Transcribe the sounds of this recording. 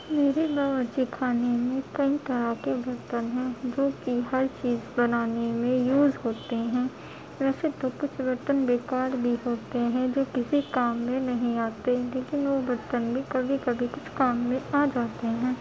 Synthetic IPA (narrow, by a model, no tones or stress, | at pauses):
meːɾebaːʋəd͡ʒikʰaːnemẽkɐɦit̪ɐɾakebɐɾt̪ənɦɛ̃d͡ʒoːkiɦɐɾt͡ʃiːzbɐnaːnemẽjuːzɦoːt̪eɦɛ̃ː | ʋɛːset̪okʊt͡ʃʰʋɐɾt̪ənbeːkaːɾbʱiɦoːt̪eɦɛ̃d͡ʒoːkɪsikaːmːẽnɐɦĩaːt̪eleːkɪnʋoʋɐɾt̪ənbʱikɐbʱikɐbʱikʊt͡ʃʰkaːmːẽaːd͡ʒaːt̪eɦɛ̃ː